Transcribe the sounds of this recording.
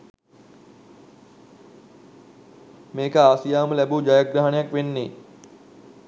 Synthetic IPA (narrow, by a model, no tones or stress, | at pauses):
meːkəaːsijaːməlæbuːd͡ʒajaɡɾaɦanejakʋenːeː